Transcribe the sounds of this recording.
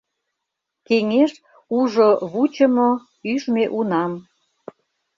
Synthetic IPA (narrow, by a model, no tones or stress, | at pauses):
keŋeʃ | uʒoβut͡ɕəmo | yʃmeʔunɑm